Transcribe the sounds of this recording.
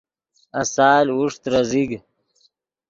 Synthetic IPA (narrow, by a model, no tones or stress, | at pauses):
asaːluʂt̪ɾaziɡ